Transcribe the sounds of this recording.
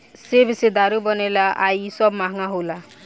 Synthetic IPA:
sebised̪aɾubɔnelaʔajsɔbmaɦŋaɦola

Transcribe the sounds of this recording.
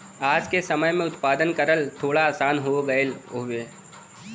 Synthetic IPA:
aːd͡ʒkesɐməjmẽʊt̪paːd̪ənkəɾəlt̪ʰoːɽaaːsaːnɦoɡɐlɦʊeː

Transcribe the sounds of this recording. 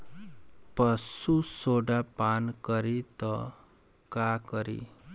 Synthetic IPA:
pəsusoɖapankəɾit̪ɔ | kakəɾḭ

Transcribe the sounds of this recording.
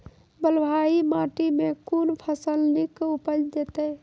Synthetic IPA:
bəlbʱaimaʈimekunpʰəsəlnikupəd͡ʒd͡ʒet̪ə

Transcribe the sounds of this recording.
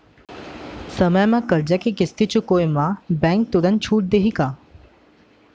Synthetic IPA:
səməjmãkəɾd͡ʑakikɪst̪it͡ʃʰukoːjmãbɛ̃ːŋk̚t̪ʊɾə̃nt͡ʃʰuːʈ̚d̪eɦika

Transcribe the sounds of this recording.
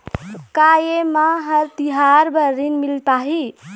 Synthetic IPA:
kajemaɦəɾt̪iɦaɾbəɾinmilpaɦi

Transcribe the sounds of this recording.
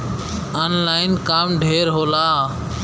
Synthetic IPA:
əːnlaːɪnkaːmɖʱeːɾɦoːlaː

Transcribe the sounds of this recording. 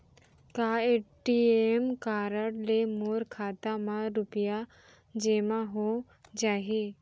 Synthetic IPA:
kaeʈiemkaːɾəɽlemoːɾkʰaːt̪amãɾʊpja | d͡ʒeːmãɦo | d͡ʒaːɦe

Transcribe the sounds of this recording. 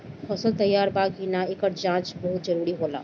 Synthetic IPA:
fɐsəlt̪ɐjːaːɾbaːɡɦinaɪkəʈ̚ʰd͡ʒãːt͡ʃbɔɦʊt̪̚zɐɾuːɾiɦoːla̰ː

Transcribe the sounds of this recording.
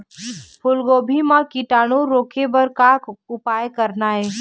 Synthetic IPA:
pʰʊlɡoːbʱimãkiʈaːɽõɾoːkʰebəɾkakʊpaːjkəɾnaɦɛː

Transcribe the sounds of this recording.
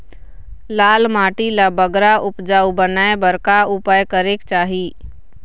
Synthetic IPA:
laːlmaːʈilabəɡɾaʔʊpd͡ʒaːubənaːebəɾkaʊpaːjkəɾekt͡ʃaːɦiː

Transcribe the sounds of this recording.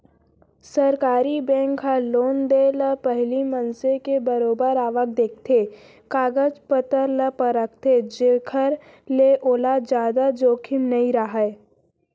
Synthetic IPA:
səɾkaːɾibɛ̃ːŋkɦaloːnd̪eːləpəɦlimənsekebəɾoːbəɾaːʋək̚d̪eːk̚ʰt̪ʰe | kaːɡəd͡ʒpət̪əɾləpəɾək̚ʰt̪ʰed͡ʒekʰəɾ | leʔoːlad͡ʒjaːd̪ad͡ʒoːkʰɪmnɐĩɾaɦae

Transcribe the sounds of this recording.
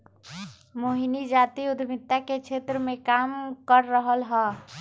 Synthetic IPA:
moɦinid͡ʒaːt̪iʊd̪ʱbɪt̪ːakekt͡ʃʰeːt̪ɾəmẽkaːmkəɾːəɦəlɦɛː

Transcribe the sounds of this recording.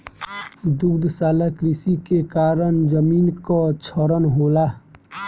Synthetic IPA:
d̪ukd̪ʱsaːləkɾisikekaːɾənd͡ʒəmiːnkat͡ʃʰɔɾənɦoːla

